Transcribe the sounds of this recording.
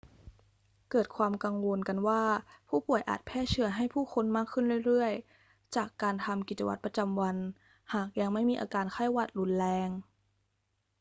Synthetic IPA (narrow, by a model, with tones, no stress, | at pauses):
kɤː˨˩t̪̚kʰwaː˧mka˧ŋwo˧nka˧nwaː˥˩pʰuː˥˩pu˨˩əjʔa̰ː˨˩t̪̚pʰɛː˥˩t͡ɕʰɯ˧ɐɦa˥˩jpʰuː˥˩xʰo˧nmaː˥˩kʰːɯ˥˩nɾɯ˥˩˨jɾɯ˥˩əj | t͡ɕaː˨˩kːaː˧nt̪ʰa˧mki˨˩t͡ɕa˧wa˦t̪̚pɾa˧t͡ɕa˧mwa˧n | haː˨˩k̚ja˧ŋma˥˩jmiː˧ʔa̰ː˧kaː˧nkʰa˥˩jwa˧˩t̪̚ɾu˧˥˦nlɛː˧ŋ